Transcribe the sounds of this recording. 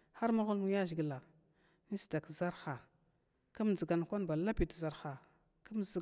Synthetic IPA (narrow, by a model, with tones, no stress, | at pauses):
xa˦ɾma˦ɣu˦lmu˦ja˦ʒi˨ɡla˨ | ni˦si̥˨da˨kza˦ɾxa˨ | ka˦m˨zi˨ɡa˨nkʷa˦nba˨la˦pi˨tza˨ɾxa˨ | ka˦m˦z